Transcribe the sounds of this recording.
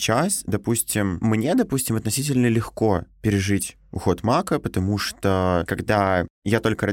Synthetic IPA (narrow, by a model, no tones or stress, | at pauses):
t͡ɕasd̪ɐpusʲtʲɪmːnʲed̪ɐpusʲtʲɪmɐt̪nɐsʲitʲɪlʲnəlʲɪxko̞pʲɪɾʲɪʐɨtʲ | ʊxo̞t̪makəpət̪ɐmuʂt̪okɐɡd̪ajat̪o̞lʲkəɾɐ